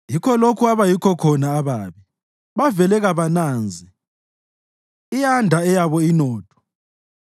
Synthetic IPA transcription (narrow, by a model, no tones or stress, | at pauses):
jikʰɔlokʰuaβajikʰɔkʰɔnaːβaːβi | βavɛlɛɣaβanaːnd͡zʱi | ijandʱaɛjaβɔinɔːtʰɔ̥